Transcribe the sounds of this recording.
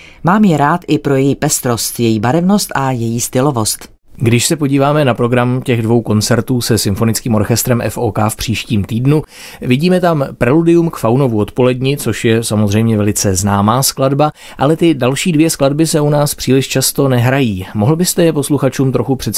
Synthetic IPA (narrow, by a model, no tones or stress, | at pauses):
maːmjɛɾaːt̪ʔɪpɾo̞jɛjiːpɛst̪ɾo̞st̪jɛjiːbaɾɛvnost̪ʔajɛjiːst̪ɪlovo̞st̪ | ɡdɪʃsɛpo̞ɟiːvaːmɛnapɾo̞ɡɾamcɛɣdvo̞wko̞nt͡sɛɾt̪uːsɛsɪmfo̞nɪt͡skiːmo̞ɾxɛst̪ɾɛmʔɛ̰foːkaːfpr̥iːʃciːmt̪iːdnu | vɪɟiːmɛt̪ampɾɛludɪjumkfawno̞vuo̞t̪po̞lɛdɲɪt͡so̞ʃjɛsamo̞zrɛjmɲɛvɛlɪt͡sɛznaːmaːskladba | ʔalɛt̪ɪdalʃiːdvjɛskladbɪsɛunaːspr̥iːlɪʃt͡ʃast̪o̞nɛɦɾajiːmoɦl̩bɪst̪ɛjɛpo̞sluxat͡ʃuːmt̪ɾoxupr̥ɛt̪